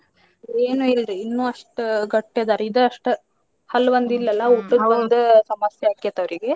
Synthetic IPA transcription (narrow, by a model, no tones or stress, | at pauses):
eːnuilɾiinːuːɐʂʈɡɐʈːed̪aːɾeid̪eɐʂʈɨ | hɐlːʋɐnd̪ilːɐlːɐuʈːuɐnd̪usɐmɐsjɐaːkiɐt̪ːɐʋɾiɡe̞